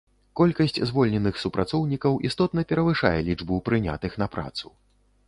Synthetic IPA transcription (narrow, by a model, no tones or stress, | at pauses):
kɔlʲkɐsʲt͡sʲzvɔlʲnʲɛnɨxsupɾʔat̪sɔwnʲikɐwʔist̪ɔt̪nɐpʲɛɾɐvɨʂa̰jɛlʲid͡ʐbupɾɨnʲa̰t̪ɨxn̪ɐpɾa̰t̪su